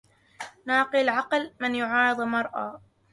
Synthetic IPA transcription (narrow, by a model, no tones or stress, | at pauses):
naːqɨlʕɑqlmɪnjʊʕɑːɾɨd̪ˤmɑɾˤʔa̰ː